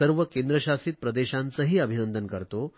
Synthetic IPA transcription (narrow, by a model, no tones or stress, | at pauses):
əɾʋəkend̪ɾəɕasiːt̪̚pɾɐd̪eɕant͡səɦiːɐbʱinənd̪ənkəɾt̪o